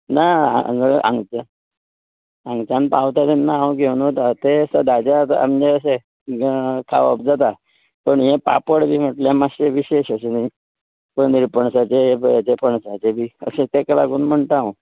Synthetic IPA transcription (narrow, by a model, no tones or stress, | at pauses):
naa̰d͡zəʔã̰ŋɡt͡ɕa | ãŋɡt͡ɕãnpawt̪at̪ɛnːaãɡʱeunɦot̪at̪eəsəd̪ad͡ʑat̪a̰md͡ʑeəse | kʰa̰ʋə̰pd͡zat̪a | pəɳjẽpa̰pəɽbʱiːm̤əʈljamaɕeʋiɕeɕəsenai | pəɳniɾpəɳsat͡seat͡ɕepʰəɳsat͡ɕebiːə̰set̪ekəla̰ɡuːnm̤əɳt̪ãʋ